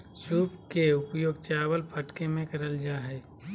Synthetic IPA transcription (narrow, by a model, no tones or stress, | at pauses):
suːpkeʊpjoːɡ̚t͡ʃaːwəlpʰəʈkemẽkɐɾəld͡ʒaːɦɛː